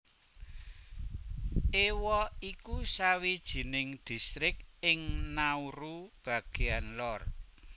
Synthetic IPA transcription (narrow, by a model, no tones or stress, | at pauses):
ewɔikusawid̥ʒ̥i̤nɪŋd̪̥i̤st̪ɾɪk̚ɪŋnauɾub̥a̤ɡ̥e̤anlɔr